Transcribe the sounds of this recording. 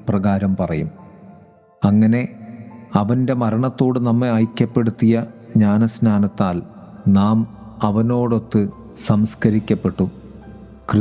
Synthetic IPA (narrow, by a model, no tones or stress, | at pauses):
prɐɣaːɾɐmpɐrɐjum | ɐŋːɐne̞ | ɐʋɐnde̞mɐɾɐɳɐt̪ːo̞ːɽɨnɐmːeaːjkʲːɐpːe̞ɽut̪ːijɐɲaːnɐsnaːnɐt̪ːaːl | naːmɐʋɐno̞ːɽo̞t̪ːɨ | sɐmskɐɾikʲːɐpːe̞ʈːu | krɨ